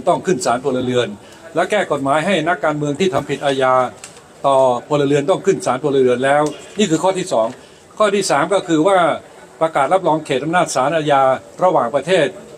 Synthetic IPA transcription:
t̪ɔ˥˩ŋkʰɯ˥˩nsaː˩˦npʰu˧la˧lɯ˧ən | lɛ˦˥kɛː˥˩ko˨˩t̪̚maː˩˦jɦa˥˩jna˦˥kːaː˧nmɯ˧əŋt̪ʰiː˥˩t̪ʰa˧mpʰi˨t̪̚ʔaː˧jaː˧ | t̪ɔː˨˩pʰu˧la˧lɯ˧ənt̪ɔ˥˩ŋkʰɯ˥˩nsaː˩˦npʰu˧la˧lɯ˧ənlɛː˦˥wniː˥˩kʰɯː˧kʰɔː˥˩t̪ʰiː˥˩sɔː˩˦ŋ | kʰɔː˥˩t̪ʰiː˥˩saː˩˦mkɔː˥˩kʰɯː˧waː˥˩ | pɾa˧kaː˨˩t̪̚la˦˥p̚lɔː˧ŋkʰeː˨˩t̪̚ʔa˧mnaː˥˩t̪̚saː˩˦nʔaː˧jaː˧ɾa˧waː˨˩ŋpɾa˧t̪ʰeː˥˩t̪̚

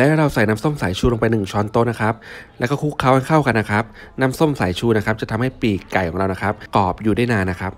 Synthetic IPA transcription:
lɾa˧wsa˨˩jnaː˦˥mso˥˩msaː˨˩˦jt͡ɕʰuː˧lo˧ŋp̬a˧jnɯ˨˩ŋt͡ɕʰɔː˧˥nt̪oː˥˩na˦˥kʰɾa˦˥p̚lɛː˧˦˥wkɔː˥˩kʰu˦˥kʰːaː˦˥wa˥˩kʰa˥˩wka˧nːa˦˥kʰɾa˦˥p̚naː˦˥mso˥˩msaː˩˦jt͡ɕʰuː˧na˦˥kʰa˦˥p̚t͡ɕa˨˩t̪ʰa˧mha˥˩jpiː˨˩kːa˨˩jʰɔː˩˦ŋɾa˧wna˦˥kʰa˦˥p̚kɔː˨˩p̚juː˨˩daː˥˩jnaː˧nːa˦˥kʰa˦˥p̚

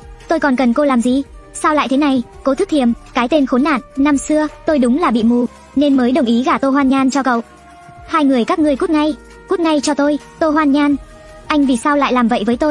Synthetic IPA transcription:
t̪o˧jkɔ˨˩nkə˨˩nko˧laː˨˩mzi˨˩saː˧wla̰ː˧˨jt̪ʰe˨˦na˨˩jko˨˦t̪ʰɨ˦˥t̪ʰi˨˩əmkaː˨˦jt̪e˧nxo˨˦nːa̰ː˧˨nːa˧msɨ˧ət̪o˧jɗʊ˨˦ŋ͡mlaː˨˩ɓḭ˧˨mu˨˩ | ne˧nməː˨˦jɗə˨˩wŋ͡mʔi˨˦ɣaː˧˩t̪o˧ɦwaː˧nɲaː˧nt͡ɕɔ˧kə̰˧˨wʔ | haː˧jŋɨ˨˩əjkaː˦˥k̚ŋɨ˨˩əku˦˥t̚ŋa˧j | ku˦˥t̚ŋa˧jt͡ɕɔ˧t̪o˧j | t̪o˧ɦwaː˧nɲaː˧n | ʔa˧jŋ̟vi˨˩saː˧wla̰ː˧˨jlaː˨˩mvə̰˧˨jvəː˨˦jt̪o˧j

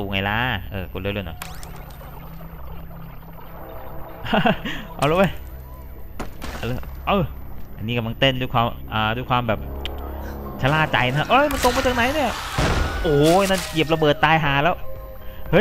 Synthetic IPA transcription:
uː˨˩ŋa˧˩jlaː˦˥ʔɤː˧ku˧˩lɤː˧˩lnɔ̰˨˩j | ʔa̰˧˩wloː˧˥wa˧˥˩j | ʔa˨˧˩lʔɤː˧˩ʔa̰˧nːiː˦˥ka˧˩mla˧ŋt̪e˧˥˩nduː˧˩jkʰwaː˧mʔaː˨˩duː˧jkʰwaː˧mbɛː˨˩p̚ | t͡ɕʰa˧laː˧˩t͡ɕa˧jna˧˦˥ʔɤ˧˥˩jma˧nt̪o˧ŋma˧˥˩t͡ɕaː˨˩k̚na˧˦jni˥˩ɐʔoː˨˩˧na˧˥˩nki˨˩əp̚la˧bɤː˨˩t̪ːaː˧jɦaː˨˩lɛː˦˥w | hɤ˦˥

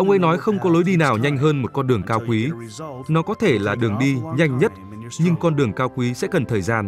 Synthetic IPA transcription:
ʔə˧wŋ͡mʔə̰˧˥jnɔ˨˦jxə˧wŋ͡mkɔ˨˦lo˨˦jɗi˧naː˨˩wɲa˧jŋ̟ɦəː˧nmo˨˩t̚kɔ˧nɗɨ˨˩əŋkaː˧wkwi˨˦nɔ˨˦kɔ˨˦t̪ʰe˧˩laː˨˩ɗɨ˨˩əŋɗi˧ɲa˧jŋ̟ɲə˦˥t̚ | ɲɨ˧ŋkɔ˧nɗɨ˨˩əŋkaː˧wkwi˨˦sɛ̰˧˥kə˨˩nt̪ʰəː˨˩jzaː˧n

